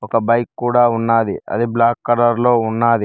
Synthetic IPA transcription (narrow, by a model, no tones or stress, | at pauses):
ɔkɐbɐjkːuːɽaːunːaːd̪iɐ̰d̪iblaːkːɐɾɐɾlo̞ːunːaːd̪i